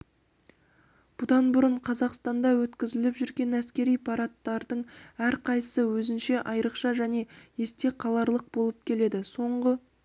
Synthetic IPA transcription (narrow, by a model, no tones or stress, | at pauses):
b̥ʊd̪ɑnbʊɾəɴqʰɑzɑqst̪ɑnd̪ɑwɵt̪kʲɪzɪlɪpʒʏɾɡʲe̞næskʲe̞ɾijpʰɑɾɑt̪ːɑɾd̪əɴæɾqʰɑjəsəwɵzɪnʃe̞ʔɑjɾəqʃɑʒæne̞je̞st̪e̞qʰɑlˠɑɾlˠəq̚bo̞lˠəp̚kʲʰe̞le̞d̪ɪso̞ɴʁə